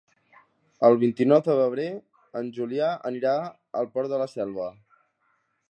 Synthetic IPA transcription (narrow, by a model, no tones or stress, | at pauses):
əlˠβint̪inɔwd̪əβəβ̞ɾe | ənʲʒuliaə̰niɾa | əlˠpɔɾt̪d̪ələsɛlˠβə